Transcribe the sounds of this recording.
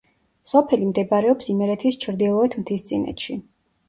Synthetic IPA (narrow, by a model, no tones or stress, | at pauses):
sɔpʰɛlimd̪ɛbaɾɛɔpsimɛɾɛt̪ʰist͡ʃʰɾd̪ilˠɔɛt̪ʰmt̪ʰist̪sʼinɛ̰t̪ʃi